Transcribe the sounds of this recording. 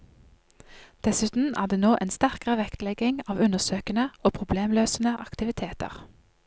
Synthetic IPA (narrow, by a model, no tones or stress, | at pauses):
d̪̥ɛsʉːt̪n̩æ̰ːʁd̪eːnoːʔeːnst̪æʁkəʁəʋɛkt̪lɛɡɪŋɑːʋʉnəʁsøːkənəoːpʰʁʊbleːmløːsnəʔɑkt̪ɪʋɪt̪ʰeːt̪ə̰ʁ